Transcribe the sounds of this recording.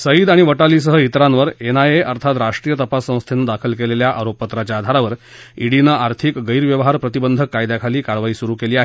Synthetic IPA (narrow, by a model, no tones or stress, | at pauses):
səid̪aɽ̃iʋəʈaliːsəɦəit̪ɾãnʋəɾenajeʔəɾt̪ʰat̪ɾaʂʈɾiːjət̪əpasːə̃w̃st̪ʰenːəd̪akʰəlkeleljaʔaɾopːət̪ɾat͡ɕjaːd̪ʱaɾaʋəɾ | iɽinəʔaɾt̪ʰikɡəjɾʋjəʋəɦaɾpɾət̪ibənd̪ʱəkːajd̪jakʰaliːkaɾʋaiːsuɾuːkeliːaɦe